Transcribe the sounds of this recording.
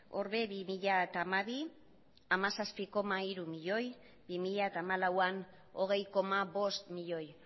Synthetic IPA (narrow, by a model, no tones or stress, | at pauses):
o̞̰ɾβeβimiʎat̪amaβi | amasaspiko̞maiɾumiʎo̞j | bimiʎaet̪aːmalawan | o̞ɣe̞jko̞maβo̞st̪miʎo̞j